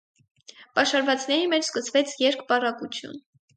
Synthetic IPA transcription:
pɑʃɑɾvɑt͡snɛɾimɛt͡ʃʰskəsvɛt͡sʰjɛɾkʰpɑrɑkut͡sʰjṵn

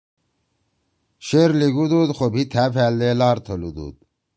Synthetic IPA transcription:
ɕeɾliɡud̪ud̪xobʱit̪ʰæːpʰæːld̪eːlaːɾt̪ʰəlud̪ṵd̪

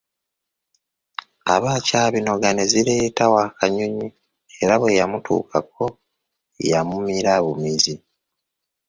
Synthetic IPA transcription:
a̰βaːcaːβino̞ɡaneziɾe̞ːtawaːkaɲuɲi | e̞ɾaβwe̞jamutʰṵːkʰa̰k̚o̞ | jamumiɾaβumizi

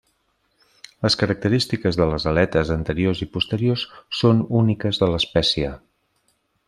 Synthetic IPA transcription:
ləskəɾək̚t̪əɾist̪ikəzðələzəlɛt̪əzənt̪əɾiozipust̪əɾiosːonunikəzðələspɛsiə

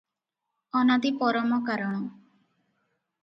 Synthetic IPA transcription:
ɔnad̪ipɔɾɔmɔkaɾɔɽ̃ɔ

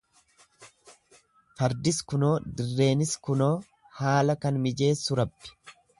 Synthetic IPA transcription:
fɐɾd̪ɪskʊno̞ːd̪ɪrːe̞ːnɪskʊno̞ː | haːlɐkɐnmɪd͡ʒe̞ːsːʊɾɐbːɪ̥

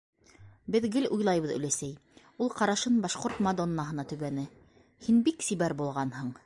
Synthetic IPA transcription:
bɘðɡɘlʔujlˠɑjβɤðɵ̰̆læsæj | ulˠqɑɾɑʃɤnbɑʃqoɾt̪mad̪onːɑɦɤ̆nɑt̪ɵ̆βænɘ | hinbiksiβæɾbulˠʁɑnhɤɴ

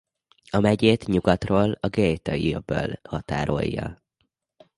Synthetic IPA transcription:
ɒmɛɟeːt̪ɲuɡɒt̪roːlɒɡejt̪ɒiøbølhɒt̪aːɾo̞̰jːɒ̰

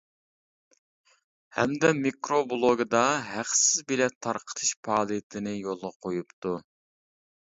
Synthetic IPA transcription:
hɛ̰md̪ɛmikɾoblˠoɡɨd̪ɑɦæqsɪzbɪlɛt̪ʰɑɾqʰə̥t̪ʰɨ̥ʃpʰɑːlˠijɪt̪ʰɪnɪjolˠʁɑqʰojupt̪u

